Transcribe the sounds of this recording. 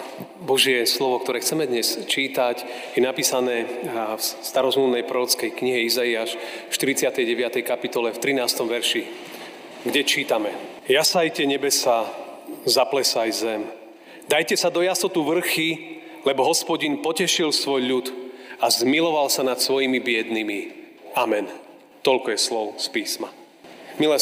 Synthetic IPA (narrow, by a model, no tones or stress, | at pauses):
bɔʒɪɛslɔʋɔk̚t̪ɔɾɛːxt͡sɛmɛd̪ɲɛst͡ʃiːt̪ac | jɛnapiːsanɛːfst̪aɾɔzmlumnɛjpɾɔɾɔt͡skɛjkɲiɦɛizaiaːʃfʃt̪iɾit͡sɪat̪ɛjɟɛʋɪat̪ɛjkapit̪ɔlɛft̪ɾinaːst̪ɔmʋɛɾʃi | ɡɟɛt͡ʃiːt̪amɛ | jasajcɛɲɛbɛsa | zaplɛsajzɛm | d̪ajcɛsad̪ɔjast̪ɔt̪uʋr̩xi | lɛbɔɦɔspɔɟinpɔcɛʃilsʋɔjʎut̪azmilɔʋalsanat̪sʋɔjimibɪɛd̪nimi | amɛn | t̪ɔʎkɔjɛslɔʊspiːsma | milɛ